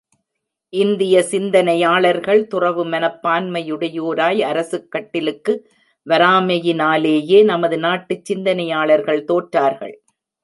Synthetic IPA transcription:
ʔɪnd̪ɪjɐsɪnd̪ɐnɐjaːɭɐɾɣɐɭt̪ʊrɐʋɯmɐnɐpːaːnmɐjɯɽɐjoːɾaːjɐɾɐsɯkːɐʈːɪlɯkːɯ | ʋɐɾaːmɐjɪnaːleːjeːnɐmɐðɯnaːʈːɯt͡ʃːɪnd̪ɐnɐjaːɭɐɾɣɐɭt̪oːʈɾaːɾɣɐ̰ɭ

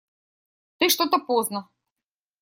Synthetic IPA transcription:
t̪ɨʂt̪ot̪ɐpoznɐ

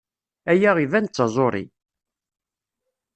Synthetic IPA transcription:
æjæʁivænt͡sːɑzˤoɾˤḭ

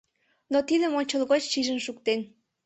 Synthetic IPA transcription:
not̪id̪əmonʲt͡ɕəlˠɣot͡ɕʃiʒənʃukt̪en

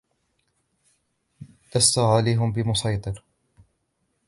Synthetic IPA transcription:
d̪ast̪aʕaliːɦʊmbɪmʊsɑjt̪ˤɨɾ

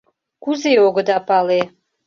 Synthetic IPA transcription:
kuzeoɡə̆d̪ɑpɑle

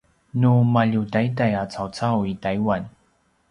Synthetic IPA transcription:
numaʎudajdajat͡sawt͡sawitajwan

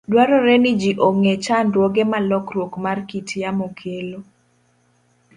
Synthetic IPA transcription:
dwaɾɔɾɛnid͡ʒiʔoŋet͡ʃanɾwoɡemalɔkɾwokmarkitjamokʰelo

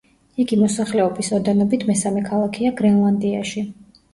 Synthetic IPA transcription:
iɡimɔsaχlɛɔbisɔɾd̪ɛnɔbit̪ʰmɛsamɛkʰalˠakʰiaɡɾɛnlˠand̪iaʃi

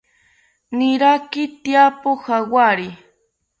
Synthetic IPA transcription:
nɪɾakɪt̪japohawaɾɪ

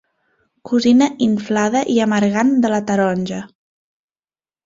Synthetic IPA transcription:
kuzinəʔiɱflaðəʔiəməɾɣand̪ələt̪əɾɔnʲʒə

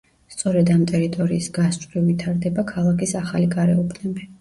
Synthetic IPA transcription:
st̪sʼɔɾɛd̪amt̪ʼɛɾit̪ʼɔɾiːsɡast͡ʃʼɾivit̪ʰaɾd̪ɛbakʰalˠakʰʼisaχaliɡʼaɾɛɔpʰnɛbi

